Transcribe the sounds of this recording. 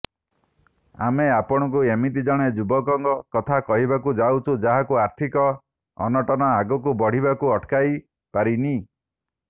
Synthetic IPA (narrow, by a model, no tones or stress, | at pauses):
a̰meapɔɽ̃ɔk̬uemit̪̬id͡ʒɔɽ̃ed͡ʒubɔkɔŋɡɔkɔt̪ʰakɔɦibakud͡ʒawt͡ʃʰud͡ʒaɦakuaɾt̪ʰikɔ | ɔ̰nɔʈɔnɔaɡɔk̬ubɔɽ̤ibakuɔʈkaj | paɾini